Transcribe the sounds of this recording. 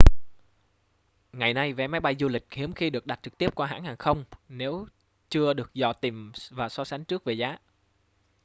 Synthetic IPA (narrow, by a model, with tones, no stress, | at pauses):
ŋa˨˩jna˧jvɛ˨˦ma˨˦jɓa˧jzu˧lï˨˩k̟̚hi˨˦əmxi˧ɗɨ˨˩ək̚ɗa˨˩t̚t͡ɕɨ˨˩k̚t̪i˦˥əp̚kwaː˧ɦa̰ː˧˥˩nhaː˨˩ŋxə˧wŋ͡mne˨˦w | t͡ɕɨ˧əɗɨ˨˩ək̚zɔ̰˧˩t̪i˨˩mvaː˨˩sɔ˨˧˦sa˨˦ŋ̟t͡ɕɨ˦˥ək̚ve˨˩zaː˨˦